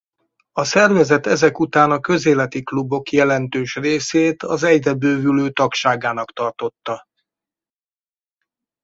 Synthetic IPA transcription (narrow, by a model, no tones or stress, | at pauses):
ɒsɛrvɛzɛt̪ɛzɛkut̪aːnɒkø̞zeːlɛt̪iklubo̞kjɛlɛnt̪øːʃreːseːt̪ɒzɛɟd̪ɛbøːvyløːt̪ɒkʃaːɡaːnɒkt̪ɒrt̪o̞t̪ːɒ